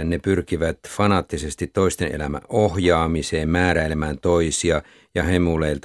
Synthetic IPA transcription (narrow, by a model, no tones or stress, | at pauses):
nepyrkiʋæt̪fɑnɑːt̪ːisest̪it̪toist̪enʔḛlæmæ̰ʔʔohjɑːmiseːmmæːɾæilemæːnt̪oisiɑ | jɑhemuleilt̪